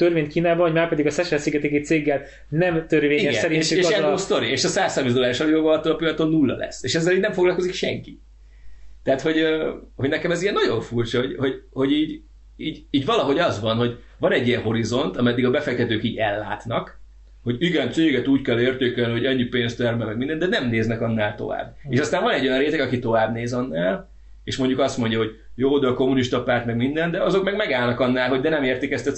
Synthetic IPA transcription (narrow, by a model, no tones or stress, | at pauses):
t̪ørveːnt̪kiːnaːbɒɦoɟmaːrpɛd̪iɡɒsɛʃɛlsiɡɛt̪eːkit̪seːɡːɛl | nɛmt̪ørveːɲiɛsɛɾint͡ʃieːɛoːst̪o̞ɾieːʃɒsaːsːɒrminzd̪olaːɾiʃɒlivoɡɒlɒt̪ːoːlɒpiɒt̪onːulːɒ̰lɛ̰sːeːʃɛzːɛliːɟnɛɱfoɡlɒlko̞zikʃɛ̰ŋki̥ | t̪ɛɦat̪ho̞ɟøho̞ɟnɛkɛmɛzijɛnːɒɟo̞ɱfuːrt͡ʃɒhoɟho̞ɟho̞ɟiːɟ | iːɟiːɟvɒlɒɦo̞ɟɒzʋɒnɦo̞ɟ | vɒnɛɟːijɛnɦo̞ɾizo̞nt̪ɒmɛd̪ːiɡɒbɛfɛk̚t̪ɛt̪øːkiːɟɛlːaːt̪nɒk | ho̞ɟiɡɛnt̪seːɡɛt̪uːckɛlːeːrt̪eːkɛlniho̞ɟɛɲːipeːnst̪ɛrmɛlmɛɡ̚mind̪ɛnd̪ɛnɛmneːznɛkɒnːaːlt̪o̞̰va̰ːbeːʃɒst̪aːɱvɒnɛɟːo̞jɒnreːt̪ɛɡɒkit̪o̞vaːbneːzɒnːaːl | eːʃmo̞ɲɟukɒst̪mo̞ɲɟjɒɦo̞ɟjoːd̪ko̞muniʃt̪ɒpaːrt̪mɛɡmind̪ɛnd̪ɛɒzo̞kmɛɡmɛɡaːlnɒkɒnːaːlɦo̞ɟd̪ɛnɛmeːrt̪ikɛst̪ɛ